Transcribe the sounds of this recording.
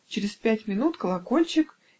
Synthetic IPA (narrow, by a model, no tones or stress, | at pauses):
t͡ɕɪɾʲɪspʲætʲmʲɪnut̪kəlˠɐko̞lʲt͡ɕɪk